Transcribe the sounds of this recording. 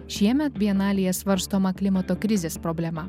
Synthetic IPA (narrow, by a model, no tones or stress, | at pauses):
ʃʲiɛmʲɛt̪bʲiɛnɑːlʲɪjɛsʋɐɾst̪oːmɐkʲlʲɪmɐt̪oːkɾʲɪzʲeːspɾɔbʲlʲɛmɐ